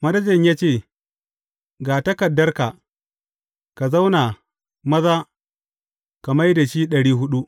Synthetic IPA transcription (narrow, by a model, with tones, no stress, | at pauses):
mɐ˦dɐ˦d͡ʒɪ˨ɲjaː˦t͡ʃeː˦˨ | ɡaː˨tɐ˦kɐ˨dːɐ˦rka˨ | ka˨za˦wna˨ | mɐ˦zaː˦ | ka˨ma˦jda˨ʃiː˦ɗɐ˨ɽiː˦ɦʊ˦ɗu˦ʔ